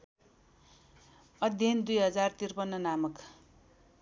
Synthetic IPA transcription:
ʌd̪ʱjʌnd̪ujɦʌd͡zart̪irpʌnːʌnamʌk

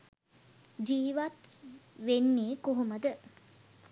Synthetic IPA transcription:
d͡ʒiːʋat̪ʋenːiːkoɦoməd̪ə

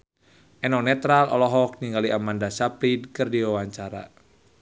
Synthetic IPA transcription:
ʔɛnɔnɛt̪ɾalɔ̰lɔɦɔk̚niŋɡaliʔamandasapɾidkɨrdiwawaɲt͡ʃaɾa̰

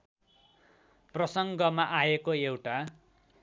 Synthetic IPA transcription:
prʌsʌŋɡʌmaʔaekoewʈa

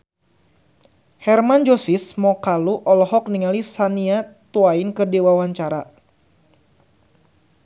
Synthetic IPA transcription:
hɛrmand͡ʒɔsismɔkaluʔɔlɔɦɔk̚niŋalisaniat̪uainkɨrdiwawaɲt͡ʃaɾa

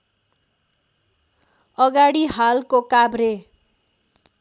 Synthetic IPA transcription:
ʌɡaɽiɦalkokabre

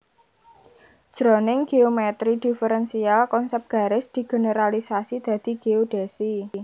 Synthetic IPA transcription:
ʒ̥ɾɔnɪŋɡ̥eomɛt̪ɾid̪̥i̤fəɾɛnsialkɔnsɛp̚ɡ̥ä̤ɾɪsd̪̥i̤ɡ̥e̤nəɾalisasid̪̥ä̤d̪̥i̤ɡ̥eoɖ̥e̤si

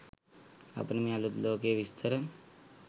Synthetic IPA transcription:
ɐ̰pnɐmĩɐlut̪loːkeːʋist̪ʰɐɾɐm

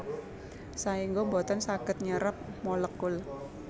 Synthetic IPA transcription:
saiŋɡobot̪ɔnsakɪt̪̚ɲəɾəp̚moləkːʊl

